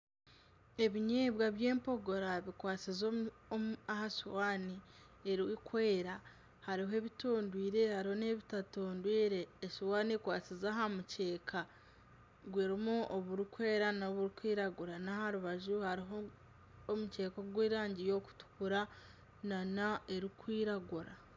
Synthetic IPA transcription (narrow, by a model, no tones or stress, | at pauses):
e̞βiɲeːβwaβjeːmpo̞ɡo̞ɾaβikwaːt͡sizo | aɦaʃiwaːni | eɾiikwe̞ːɾa | haɾiɦoe̞βitoːndwiːɾe̞haɾiho̞ne̞βitatoːndwiːɾe̞ːʃiwaːnekwaːt͡sizaɦamuce̞ːkʰa | ɡweːɾimuoβuɾikwe̞ːɾanaβuɾikwiːɾaɡuɾanahaɾuβaʒuhaɾiɦoː | muce̞ːkoɡweːɾaːɲɟijo̞ːku̥tu̥kuɾa | nanae̞ɾikwiːɾaɡuɾa